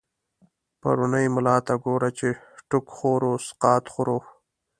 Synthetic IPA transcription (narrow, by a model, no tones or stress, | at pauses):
pa̰ɾʊnəjmʊlɑːt̪aɡoːɾat͡ʃeʈʊkxoːɾosqɑːt̪xʊɾo